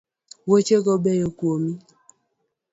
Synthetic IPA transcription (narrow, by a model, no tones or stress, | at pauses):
wot͡ʃekɔbɛjokwomi